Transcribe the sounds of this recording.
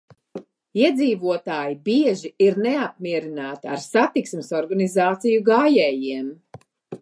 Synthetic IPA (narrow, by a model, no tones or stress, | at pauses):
iɛd̪ziːvuɔt̪aːjibiɛʒiiɾneap̚miɛɾinaːt̪ia̰ɾsat̪iksmɨsɔɾɡanizaːt̪sijuɡaːjɛːjiɛm